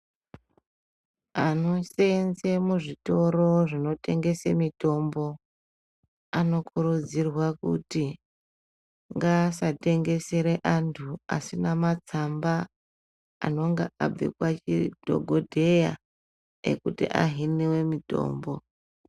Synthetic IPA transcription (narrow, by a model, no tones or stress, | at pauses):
ano̞seenzemuʐito̞ɾo̞ʐino̞te̞ŋɡe̞semito̞mbo̞ | ano̞kuɾud͡zirwakṵti | ŋɡaːsate̞ŋɡe̞seɾeʔantʰua̰sinamat͡samba̰ː | no̞ŋɡaʔab͡vḛkwat͡ʃid̥ʱo̞̰ɡʱodʱe̞ja̰ | ḛkutḭʔa̰ɦiniwe̞mito̞̰ːmbo̞